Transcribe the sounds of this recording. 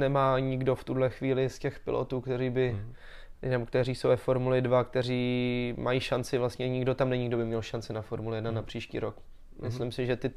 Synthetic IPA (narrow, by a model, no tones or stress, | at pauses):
nɛmaːɲɪɡdo̞ft̪udlɛxviːlɪscɛxpɪ̰lʔo̰t̪uːkt̪ɛɾiːbɪ | nɛbokt̪ɛriːsowvɛfoɾmulɪdvakt̪ɛr̝iːmajiːʃant͡sɪvlast̪ɲɛɲɪɡdo̞t̪amnɛɲɪɡdobɪmɲɛlʃant͡sɪnafoɾmulɪjɛdnanapr̝̥iːʃcḭːɾok | mɪslɪmsɪʒɛt̪ɪ